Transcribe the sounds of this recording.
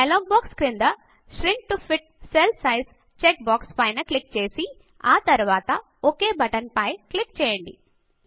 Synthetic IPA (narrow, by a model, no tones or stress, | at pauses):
ɐloːɡ̚baːkskɾind̪ɐ | ʃɾiɳʈ̚ʈupʰiʈ̚ | selsɐjs | t͡ʃek̚baːkspɐjnɐklik̚t͡ʃe̞ːsi | aːt̪ɐɾuʋaːt̪ɐ | okeːbɐʈɐnpɐjklikt͡ʃɛːjɐɳɖḭ